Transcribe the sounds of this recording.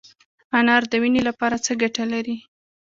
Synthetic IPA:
anɑɾd̪əwinelapɑɾat͡səɡaʈalaɾi

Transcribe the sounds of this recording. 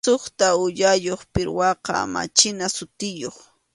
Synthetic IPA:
oχt̪aʊʎajoχpɪɾwɑqɑ̰ma̰t͡ʃɪnasʊt̪ɪjoχ

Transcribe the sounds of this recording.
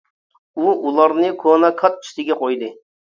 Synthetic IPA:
uulˠɑɾnɨkʰonɑkʰɑt̪̚t͡ʃʰy̥ʃt̪ɪɡʲɛqʰojd̪ɨ

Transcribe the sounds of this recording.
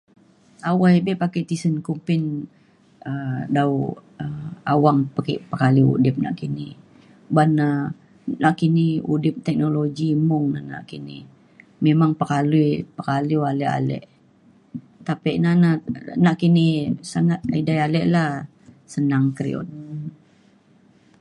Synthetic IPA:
awajbɛpakɛʔt̪isənkumpɪn | ədawəawaŋpakɛ̰ʔpəkaliṵdɪp̚na̰ʔkini | bana | naʔkiniudɪp̚t̪ɛk̚noloɡimʊŋna̰hna̰ʔkinɪ̰ | memaŋpəkalupəkaluwalɛʔa̰lɛ̰ʔ | t̪apɛʔnananaʔkinisaŋat̪̚aidajalɛʔlah | sənaŋkɾḭɔ̰t̪

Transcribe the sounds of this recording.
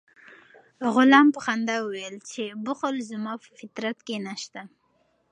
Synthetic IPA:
ɣʊlɑmpəxand̪awʊwjelt͡ʃebʊxʊlzʊmɑpəfɪt̪ɾat̪kenaʃt̪a

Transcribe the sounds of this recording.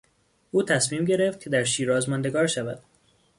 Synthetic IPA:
ʔuːt̪ʰæsmiːmɟe̞ɾe̞ft̪̚cʰe̞d̪æɾʃiːɾɒːzmɒnd̪e̞ɡɒːɾʃævæd̪̥

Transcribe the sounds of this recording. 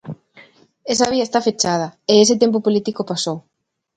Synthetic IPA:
esɐβiɐest̪afet͡ʃað̞ɐees̬ɪt̪emp̬opolit̪ikopasow

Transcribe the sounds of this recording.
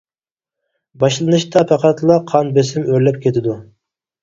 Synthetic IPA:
bɑʃlˠɨnɨʃt̪ɑpʰæqæt̪lˠɑqʰɑnbesɪmøɾlɛp̚kʲʰet̪ʰɪd̪u

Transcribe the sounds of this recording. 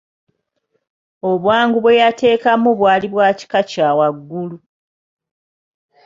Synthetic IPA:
o̞βwaːŋɡuβwe̞jate̞ːkamuβwaːliβwaːci̥kacaːwaɡːulu

